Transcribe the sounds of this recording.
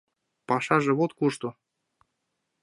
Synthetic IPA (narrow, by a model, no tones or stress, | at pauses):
pɑʃɑʒɤ̆βot̪kuʃt̪u